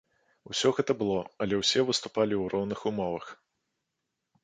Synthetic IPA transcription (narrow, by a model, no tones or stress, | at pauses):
usʲɔɣɛt̪ɐbɨlˠɔɐlʲɛwsʲɛvɨst̪u̥palʲiwrɔwnɨxumɔvɐx